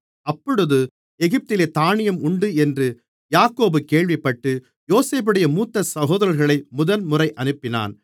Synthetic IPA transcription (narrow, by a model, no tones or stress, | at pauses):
ɐpːɔɽɯðɯ | ɛɣɪp̚t̪ɪleːt̪aːɳɪjɐmʊɳɖɯɛndrɯ | jaːkoːbɯkeːɭʋɪpːɐʈːɯ | joːseːbɯɽɐjɐmuːt̪ːɐsɐɣoːðɐɾɐɾɣɐɭɐɪmʊðɐnmʊrɐɪʔɐnɯpːɪna̰ːn